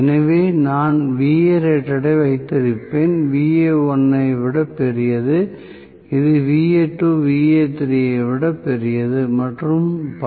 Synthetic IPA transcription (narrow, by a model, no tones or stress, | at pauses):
ɛnɐʋeːnaːnʋiːeɾeʈːɐɽɐɪʋɐɪt̪ːɪɾɪpːeːnʋiːeɔnːɐɪʋɪɽɐpːɛɾɪjɐðɯ | ɪðɯʋiːeːʈːoːʋiːeːt̪ːɪɾɪjɐɪʋɪɽɐpːɛɾɪjɐðɯmɐʈrɯmp